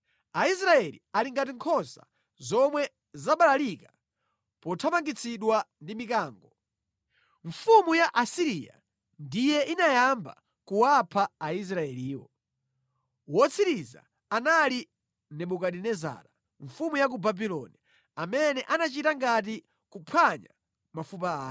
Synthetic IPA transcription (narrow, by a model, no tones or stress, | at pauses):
ais̬ɾaɛlḭaliŋɡat̬iŋkʰɔsa̰ | zɔmwɛ | zaɓalalika | pɔtʰapaŋɡit͡sʰiɗwandimikaːŋɡɔ | ɱfumujaʔasiɾija̰ | ndijɛinajamba̰ | kuwapʰaːis̬ɾaɛliːwɔ̰ | wɔt͡sʰiɾiza̰ | anali | nɛɓukaɗinɛza̰ɾa | ɱfumujak̬ubabilɔ̰ni | amɛnɛʔanat͡ʃitaŋɡat̬i | kupʰwaɲa̰ | mafupaː